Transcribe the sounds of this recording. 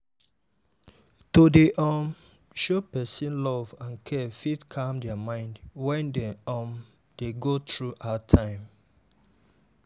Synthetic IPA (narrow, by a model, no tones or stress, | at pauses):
todeʔɔm | ʃopɛsĩnlɔvãnkʰɛfidkʰamdɛamãɪ̃ndwɛ̃ndeɔm | d̥eɡotɹuʔatʰãɪ̃m